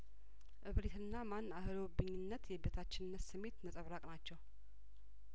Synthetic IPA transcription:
ʔɨβɾet̪ɨnːamanːahɨlobɨɲːɪnːət̪jɛbet̪ʰat͡ʃːɪnɨnːət̪sɨmːe̞t̪nət̪ʼəβɾakʼnat͡ʃːɛw

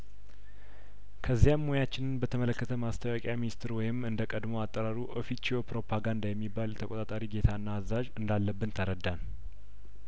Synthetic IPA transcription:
kʰəzːijamːojat͡ʃːɪnɨnbət̪ʰəmələkːət̪ʰəmast̪ʰəwakʼjaminist̪ʰɨɾwɔjɪmɨnd̪əkʼəd̪mo̞at̪ʼːəɾaɾuʔofit͡ʃːopɾo̞pʰaɡand̪ajɛmːibːaljt̪ʰəkʼot̪ʼat̪ʼaɾiɡe̞t̪ʰaɨnːaːzːaʒɨnd̪alːəbːɨnt̪ʰəɾəd̪ːan

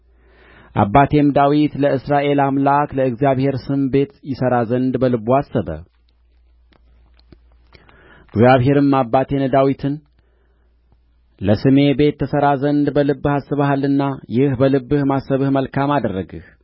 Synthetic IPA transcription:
ʔa̰bːat̪ʰe̞md̪awit̪ləɨsɾaʔe̞lamlakləɨɡzjaβhe̞ɾsɨmbe̞t̪jɪsəɾazənd̪bəlɨbuasːəβə̰ | ɨɡzijaβɦe̞ɾɨmːabːat̪ʰe̞nd̪awit̪ʰɨn | ləsɨme̞be̞t̪ʰːəsəɾazənd̪bəlɨbːɨhasːɨβahalɨnːajɪhbəlɨbːɨhmasːəβɨhməlkʰamad̪ərːəɡɨ̰h

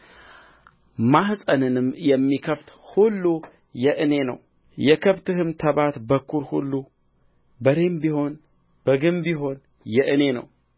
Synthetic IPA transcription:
maɦsʼənɨnɨmjɛmːikʰəft̪hulːu | jɛʔɨne̞nə̰w | jɛkʰəβt̪ʰɨɦɨmt̪ʰəβat̪bəkʰːuɾhṵlːu | bəɾe̞mbiho̞n | b̥əɡɨmbiɦo̞n | jɛʔɨne̞nə̰w

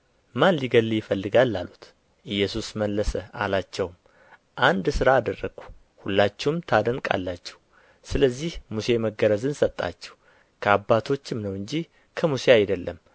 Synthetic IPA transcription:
manliɡəlːjɪfəlːɨɡalːalut̪ | ʔɨjːɛsusməlːəsəa̰lat͡ʃːɛwm | ʔand̪sɨɾaːd̪ərːəɡu̥ | hulːat͡ʃːɛwmt̪ʰad̪əŋkʼa̰lːat͡ʃːɛ̥w | sɨləzːihmuse̞məɡəɾəzɨnsət̪ʼːa̰t͡ʃːɛ̥w | kʰəabːat̪ʰo̞t͡ʃːɪmnəwɨɲd͡ʒi | kʰəmuse̞ajd̪əlːəm

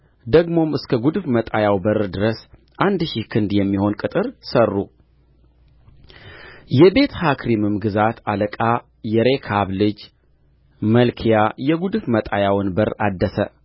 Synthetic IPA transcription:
d̪əɡmo̞mɨskʰəɡud̪ɨfmət̪ʼajawbəɾd̪ɨɾəs | ʔand̪ʃihkʰɨnd̪jɛmːiho̞nkʼɨt̪ʼɨɾsərːu | jɛbe̞t̪hakʰɾimɨmɡɨzat̪ʰaləkʼa | jɛɾe̞kʰaβlɨd͡ʒ | məlkʰijajɛɡud̪ɨfmət̪ʼajawɨnbəɾad̪ːəsə

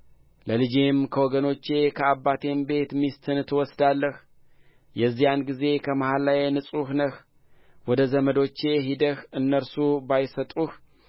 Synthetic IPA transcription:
ləlɨd͡ʒemkʰəwɔɡəno̞t͡ʃːe̞kʰəaβːat̪ʰe̞mbe̞t̪mist̪ʰɨnt̪ʰɨwɔsd̪alːəh | jɛzːijanɡize̞kʰəmahalːajnɨsʼuhnəh | wɔd̪əzəməd̪o̞t͡ʃːe̞ɦid̪əxɨnːəɾsubajsət̪ʼuh

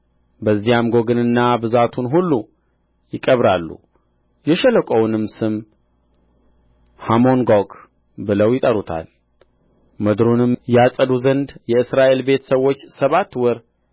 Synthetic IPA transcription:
bəzːijamɡo̞ɡɨnɨnːabɨzat̪ʰunɦulːu | jɪkʼəβɾalːṵ | jɛʃɛləkʷʼownɨmsɨm | hamo̞nɡok | bɨləwjɪt̪ʼəɾut̪ʰa̰l | məd̪ɾunɨmjasʼəd̪uzənd̪jɛɨsɾaʔe̞lbe̞t̪səwo̞t͡ʃːsəβat̪ːwɔɾ

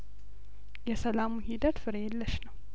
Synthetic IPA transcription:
jɛsəlamuhid̪ət̪fɨɾelːəʃnəw

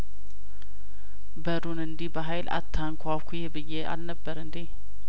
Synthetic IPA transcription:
bəɾunɨnd̪ibəɦajlʔa̰t̪ʰːaŋkʰʷakʰujɛbɨjːea̰lnəbːəɾɨnd̪i

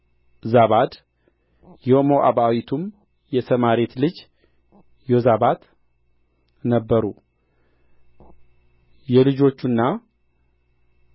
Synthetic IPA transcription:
zaβad̪ | jɛomoʔa̰βawit̪ʰum | jɛt̪ʰəmaɾet̪lɨd͡ʒ | jozaβad̪ | nəbːəɾu | jɛlɨd͡ʒo̞t͡ʃːunːa

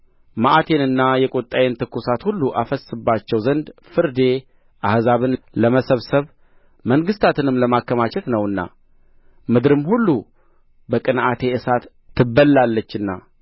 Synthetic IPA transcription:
maʔat̪ʰe̞nɨnːajɛkʼot̪ʼːajent̪ʰɨkːusat̪hulːuʔafəsɨbːat͡ʃːɛwzənd̪fɨɾd̪e̞ | ʔahzaβɨnləməsəβsəβ | məŋɡɨst̪ʰat̪ʰɨnɨmləmakːəmat͡ʃɛt̪nəwɨnːa̰ | mɨd̪ɾɨmhulːu | bəkʼɨnat̪ʰe̞ʔɨsat̪ʰː | ɨbːəlːalːət͡ʃːɨnːa̰

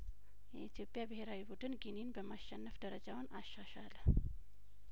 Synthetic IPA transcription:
jɛit̪ʰjo̞pʼːjabɨheɾawibud̪ɨnɡininbəmaʃːɛnːəfd̪əɾəd͡ʒawnʔaʃːaʃal

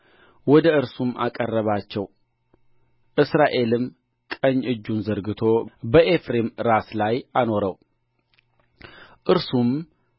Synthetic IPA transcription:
wɔd̪əɨɾsumʔa̰kʼərːəβat͡ʃːɛw | ʔɨsɾaʔe̞lɨm | kʼəɲːɨd͡ʒːunzəɾɡɨt̪ʰo̞bəʔe̞fɾemɾaslajano̞ɾəw | ʔɨɾsum

